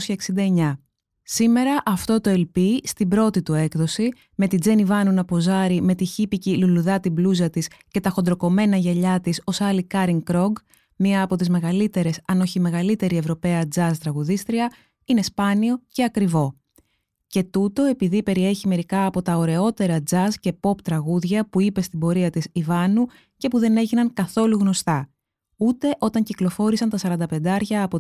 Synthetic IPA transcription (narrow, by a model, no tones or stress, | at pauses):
sçɐeksind̪ɐe̞ɲɐ | sime̞ɾɐʔɐft̪o̞t̪o̞elpist̪ibɾo̞t̪it̪ue̞kðo̞si | me̞t̪id͡ze̞nivɐnunɐpo̞zɐɾime̞t̪içipiciluluðɐt̪ibluzɐt̪isce̞t̪ɐxo̞nd̪ɾo̞ko̞me̞nɐʝɐʎɐt̪iso̞sɐlikɐɾiŋkɾo̞ɡ | miɐːpo̞t̪izme̞ɣɐlit̪e̞ɾe̞sɐno̞çime̞ɣɐlit̪e̞ɾie̞vɾo̞pe̞ɐd͡zɐst̪ɾɐɣuðist̪ɾiɐ | ine̞spɐnio̞ce̞ɐkɾivo̞ | ce̞t̪ut̪o̞e̞piðipe̞ɾie̞çime̞ɾikɐːpo̞t̪ɐo̞ɾe̞o̞t̪e̞ɾɐd͡zɐsce̞po̞pt̪ɾɐɣuðʝɐpuipe̞st̪ibo̞ɾiɐt̪isivɐnu | ce̞puðe̞ne̞ʝinɐŋkɐθo̞luɣno̞st̪ɐ | ut̪e̞ʔo̞t̪ɐɲciklofo̞ɾisɐnt̪ɐsɐɾɐnd̪ɐpe̞nd̪ɐɾʝɐːpo